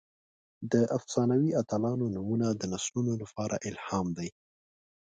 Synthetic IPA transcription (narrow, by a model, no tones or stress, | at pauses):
d̪əʔafsɑnawiat̪alɑnonumunad̪ənaslunolapɑɾʔa̰ʔɪlhɑmd̪aj